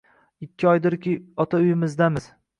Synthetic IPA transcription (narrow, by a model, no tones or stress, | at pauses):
ɪkʲʰːɪɒjd̪ɪɾkʲɪɒt̪ʰaʊjɪmɪzd̪amɪz̥